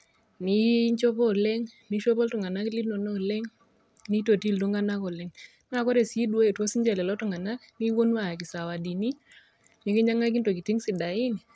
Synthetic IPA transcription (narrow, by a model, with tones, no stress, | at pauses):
ni˦ɲt͡ʃo˦pɔ˦˨lɛ˦ŋ | ni˨˦ʃo˦pɔ˦ltʊ˨ŋa˨na˦kli˦no˨nɔ˦˨lɛ˦ŋ | ni˦to˨ti˦˨lto˦ŋa˦na˦kɔ˨lɛ˨˦ŋ˦ | a˦˨kɔ˦ɾe˨si˦dwa˦e˨twɔ˦si˦ɲd͡ʒɛ˨lɛ˨lɔ˦tʊ˨ŋa˨na˦kni˦wo˦n˦a˨k̬ɪ˨sa˨wa˨di˨ni˦ | ɲi˨˦ke˦ɲa˦ŋa˦k̬i˦nto˨ki˨ti˦ŋsɪ˨da˨i˦ni˨